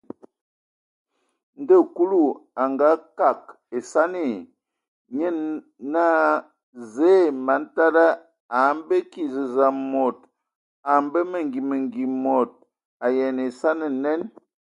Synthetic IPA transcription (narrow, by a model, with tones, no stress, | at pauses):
n̩˦də˦˨ku˦lu˦˨a˨ŋɡa˨˦ka˨k̚ | e˨sa˦ne˨ | ɲə˦n | na˦ | ze˦ma˨˦n̩˦ta˦da˦ | a˨˦m˦be˦ki˨zə˨za˨mo˨t | a˨m˦bə˦mə˨ŋɡi˨mə˨ŋɡi˨mɔ˨t̚ | a˨jɛ˨ne˨sa˦nə˨nɛ˦n